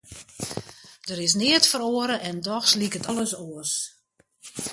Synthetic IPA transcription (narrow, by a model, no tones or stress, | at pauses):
d̥əɾɪs̬nɪətfəɾoəɾəʔɛndɔxslikətɔlˠəsoəs